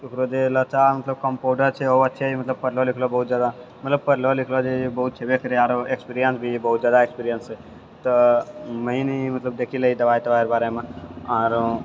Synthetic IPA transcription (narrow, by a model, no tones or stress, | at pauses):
ukɾod͡ʒelət͡ʃamət̪ləb̚kəmpoɖəɾt͡ʃʰɛoətːʃʰemət̪ləb̚pəɾlolikʰlobəɦut̪̚d͡ʒaːd̪a | mət̪ləb̚pəɾlolikʰlod͡ʒebəɦut̪̚t͡ʃʰebekəɾieaːɾoekspiɾijənsbʱibəɦut̪̚d͡ʒaːd̪aekspiɾijənse | t̪əməinimət̪ləb̚d̪ekʰiləɦid̪əbait̪əbaiɾbaːɾemẽɔːɾ